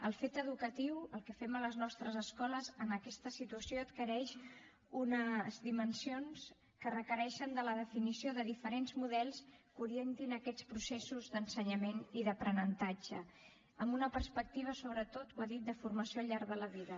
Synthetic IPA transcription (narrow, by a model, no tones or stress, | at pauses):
əlˠfet̪əðukət̪iwəlˠkəfɛmələznɔst̪ɾəzəskɔləzənəkɛst̪əsit̪uəsioət̪kəɾɛʃ | unəzd̪imənsions | kərəkəɾɛʃənd̪ələðəfinisioðəðifəɾenzmuðɛlˠskuɾient̪inəkɛt͡spɾusesuzd̪ənsəɲəmeniðəpɾənənt̪ad͡ʒə | əmbunəpəɾspək̚t̪iβ̞əsoβɾət̪ot̪waðit̪̚d̪əfurməsioʎaɾɣðələβiðə